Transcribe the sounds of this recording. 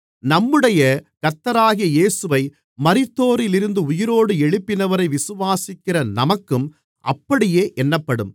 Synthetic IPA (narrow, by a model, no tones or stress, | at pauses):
nɐmːɯɽɐjɐkɐɾt̪ːɐɾaːɣɪjɐjeːsɯʋɐɪ | mɐɾɪt̪ːoːɾɪlɪɾɯnd̪ɯʊjɪɾoːɽɯɛɻɯpːɪnɐʋɐɾɐɪʋɪsɯʋaːsɪkːɪrɐnɐmɐkːɯm | ʔɐ̰pːɐɽɪjeːʔɛnːɐpːɐɽɯm